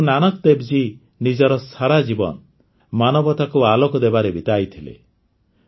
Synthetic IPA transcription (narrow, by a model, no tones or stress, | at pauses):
nanɔk̚d̪ebd͡ʒi | nid͡ʒɔɾɔsaɾad͡ʒibɔ̰nɔ | manɔbɔt̪akualokɔd̪ebaɾebit̪ajt̪ʰilḛ